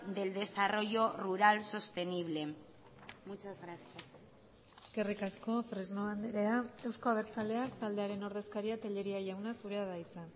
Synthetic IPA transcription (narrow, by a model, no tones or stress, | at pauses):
d̪e̞ld̪e̞saro̞ʝo̞ruɾalso̞st̪e̞niβ̞le̞ | mut͡ʃazɣɾasjas | ekerikasko̞fɾiznoand̪eɾeaewsko̞aβ̞e̞ɾt͡sale̞akt̪ald̪e̞aɾe̞no̞ɾðe̞skaɾiat̪eʎe̞ɾiaʝawnasuɾe̞aðaisan